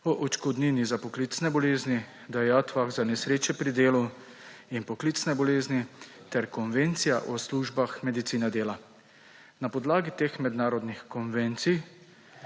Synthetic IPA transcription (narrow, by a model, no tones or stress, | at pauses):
ɔʔɔt͡ʃkɔd̪ninizapɔklit̪snɛbɔleːzni | d̪ajaːt̪ʋaɣzanɛsɾeːt͡ʃɛpɾid̪eːlu | inpɔklit̪snɛbɔleːzni | t̪ɛɾkɔnʋent̪sijaʔɔsluːʒbaxmɛd̪it̪siːnɛd̪eːla | napɔd̪laːɡit̪eːxmɛd̪naːɾɔd̪nixkɔnʋent̪sij